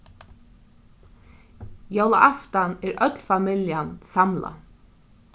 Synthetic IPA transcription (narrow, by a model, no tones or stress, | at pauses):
jawlaʔaft̪anæɾœt̪lfamɪljansamla̰